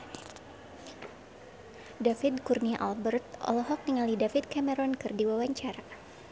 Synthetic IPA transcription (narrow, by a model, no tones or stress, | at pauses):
dafid̪kurniaʔalbərt̪̚ʔɔ̰lɔɦɔk̚niŋalidafid̪̚kamɛɾɔnkɨrdiwawaɲt͡ʃaɾa